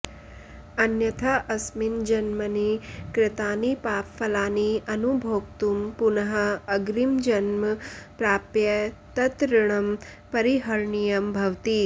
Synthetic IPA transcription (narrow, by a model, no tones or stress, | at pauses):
ɐnjɐt̪ʰɐʔɐsmind͡ʒɐnmɐnikɾɪt̪aːnipaːpfɐlaːniʔɐnubʱoːkt̪umpunɐɦɐɐɡɾimd͡ʒɐnmɐpɾaːpjɐt̪ɐt̪ɾɪɳ̃ɐmpɐɾiɦɐɾɳijɐmbʱɐʋt̪i